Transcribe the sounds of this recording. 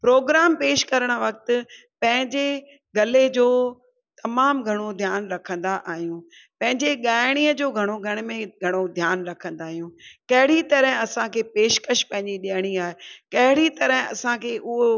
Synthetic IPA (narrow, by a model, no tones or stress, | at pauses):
pɾoːɡɾaːmpeːʃkɐɾəɽ̃̆ʋɐk̚t̪ʊ̆ | pɐ̃ɦɪ̃ɲd͡ʑe | ɡɐled͡ʑoː | t̪ɐmaːmɡʱɐɽ̃od̪ʱjaːnɾɐkʰə̃nd̪aʔaːɦijũ | pɐ̃ɦɪ̃ɲd͡ʑeɠaːɪɽ̃iːəd͡ʑoːɡʱɐɽ̃oɡʱɐɽ̃mẽɡʱɐɽ̃od̪ʱjaːnɾɐkʰə̃nd̪aːɦijũːkɐɦɪɽit̪ɐɾəɦɪ̃ɐsãkʰeːpeːʃkəʃpɐ̃ɦɪ̃ɲd͡ʑiɗijəɽ̃iaːɦekɐɦɪɽit̪ɐɾəɦɪ̃ɐsãkʰeːʔʊɦo